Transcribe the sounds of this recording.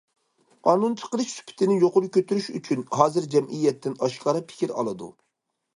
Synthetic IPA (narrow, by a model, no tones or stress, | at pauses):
qʰɑːnunt͡ʃʰə̥qəɾˠɨʃsy̥pʰɪ̥t̪ʰɪnɪjoqʊɾʊkʲʰøt̪yɾyʃyt͡ʃʰynɦɑːzɪɾd͡ʒɛmʔijːɛt̪ʰːɪnɑʃqɑɾɑpʰɪ̥kʲiɾɑ̰lˠɨd̪ṵ